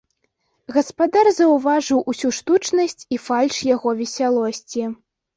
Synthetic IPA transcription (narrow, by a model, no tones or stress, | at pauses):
ɣɐspad̪arzɐwvaʐɨwʔusʲuʂt̪ut͡ʂnɐsʲt͡sʲifalʲʂjaɣɔvʲɛsʲalˠɔsʲt͡sʲi